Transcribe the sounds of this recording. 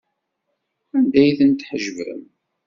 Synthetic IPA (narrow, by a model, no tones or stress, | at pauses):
ænd̪æjθənt̪ħəʒvə̰m